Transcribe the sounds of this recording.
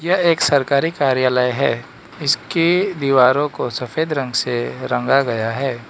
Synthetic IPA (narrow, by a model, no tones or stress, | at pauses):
jɐeːksɐɾkaːɾikaːɾjaːləjɦɛː | ɪskid̪iːʋaːɾõkosɐfeːd̪ɾɐ̃ŋɡseɾɐ̃ŋɡaɡɐjaɦɛː